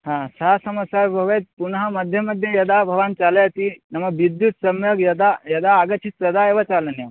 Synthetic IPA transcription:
ɦãːsɐɦasɐmɐsaːɾbʱɐʋet̪̚punɐɦɐmɐd̪ʱjɐmɐd̪ʱjɐjɐd̪aːbʱɐʋaːnt͡ʃaːlɐjɐt̪inɐmɐʋid̪jut̪sɐmjoɡjɐd̪ajɐd̪aːɡɐt͡ʃʰit̪ɾɐd̪ʱaːeʋɐt͡ʃaːlɐnjɐ

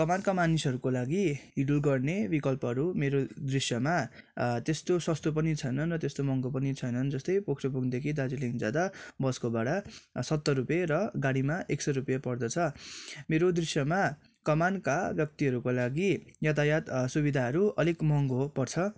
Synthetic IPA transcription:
kʌmankamanisʌɾukolaɡiɦiɽulɡʌrnebikʌlpʌɦʌɾumeɾod̪risjʌmat̪est̪osʌst̪opʌnit͡sʰʌjnʌnrʌt̪est̪omʌŋɡopʌnit͡sʰʌjnʌnd͡zʌst̪ʌjpokʰropuɡd̪ekʰid̪ad͡ziliŋd͡zad̪abʌskobaɽasʌt̪ːʌrupjeɾʌɡaɽimaʔeksʌrupjapʌrd̪ʌt͡sʰʌmeɾod̪risjʌma | kʌmankabjʌk̚t̪iɦʌɾukolaɡijʌt̪ajat̪subid̪ʱaɦʌɾuʌlikmʌŋɡopʌrt͡sʰʌ

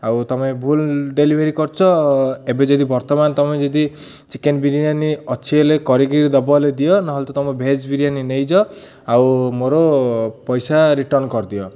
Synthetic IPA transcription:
awt̪ɔmebʱulɖelibʱeɾikɔɾt͡ʃʰɔebed͡ʒɔd̪ibɔɾt̪ɔmant̪ɔmẽd͡ʒɔd̪i | t͡ʃikenbiɾianiɔt͡ʃʰielekɔɾikɾiɾid̪ɔbɔled̪ijɔnɔɦɔlt̪ɔt̪ɔmɔbʱed͡ʒbiɾianinejd͡ʒɔ | awmoɾopɔjsaɾiʈɔnkɔɾd̪ijɔ

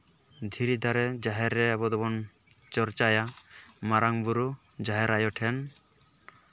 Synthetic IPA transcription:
d̪ʱiɾid̪ʱaɾɛd͡ʒaɦɛɾːɛabɔd̪ɔbɔn | t͡ʃɔɾt͡ʃajamaɾaŋbuɾu | d͡ʒaɦɛɾajɔʈʰɛn

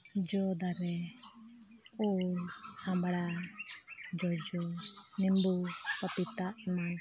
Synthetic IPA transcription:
d͡ʒɔd̪aɾɛ | u | hambaɾa | d͡ʒɔd͡ʒɔnɛmbukapit̪ama

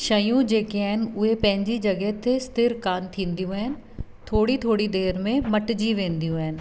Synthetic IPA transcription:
ʃɐjũd͡ʒeːkeɐɦɪnɪ̆ʊɦepɐ̃ɦɪ̃ɲd͡ʑid͡ʒɐɡɛɦt̪ʰest̪ʰɪɾkaːnt̪ʰĩːnd̪ijũɦɛɦɪnɪ̆t̪ʰoːɽit̪ʰoːɽid̪eːɾmẽmɐʈd͡ʒiʋẽːnd̪ijũɦɛɦnɪ̆

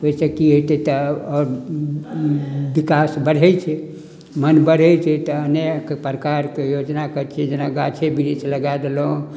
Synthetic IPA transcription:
oisekiɦojt̪ɛt̪ɔɔːɾ | bikasbəɽ̤ɛjt͡ʃʰɛ | mənbəɽ̤ɛjt͡ʃʰɛt̪əəneəkepɾəkaɾkejod͡ʒnakəɾt͡ʃʰiɛd͡ʒenaɡat͡ʃʰebiɾit͡ʃʰləɡajd̪elõ

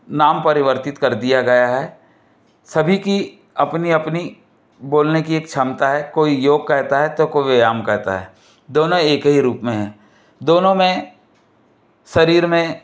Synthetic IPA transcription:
naːmpɐɾɪʋəɾt̪ɪt̪kɐɾd̪ijaɡɐjaɦɛː | sɐbʱiki | ɐpniɐpni | boːlnekieːk̚t͡ʃʰɐmt̪aɦɛkoːijoːɡ̚kɛɦt̪aɦɛt̪okoːiejaːmkɛɦt̪a̰ɦɛ̰ː | d̪oːnõeːkɦiɾuːpmẽɦɛ̃ː | d̪oːnõmẽ | sɐɾiːɾmẽ

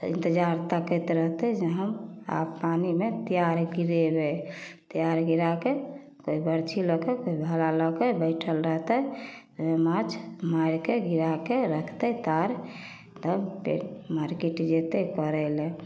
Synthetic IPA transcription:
ḭ̃nt̪əd͡ʒaɾt̪akəjt̪ɾəɦt̪ɛɦd͡ʒeɦəma̰bːanimet̪ijaɾɡiɾebet̪ijaɾɡiɾake | koibəɾt͡ʃʰilɔkəkoibʱalaləkəbəɪʈʰəlɾəɦt̪ɛ | emat͡ʃʰmaiɾkeɡiɾakeɾəkʰt̪ɛt̪aɾ | t̪əpḛmaɾkiʈd͡ʒet̪ekəɾɛlẽ

